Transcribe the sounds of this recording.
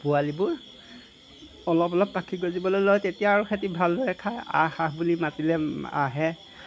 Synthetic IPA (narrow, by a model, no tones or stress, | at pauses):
pʊalibʊɹ | ɔlɔpɔlɔp̚takʰiɡozibɔlojlojtetijaːɹuxʰet̬ibʱalːojɛkʰaja̰xaɦbulimatilɛa̰ɦɛ